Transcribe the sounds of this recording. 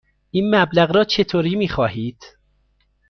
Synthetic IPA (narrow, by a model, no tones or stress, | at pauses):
ʔiːnmæblæɣɾɒːt͡ʃʰe̞t̪ʰoːɾiːmiːxɒːhiːd̪̥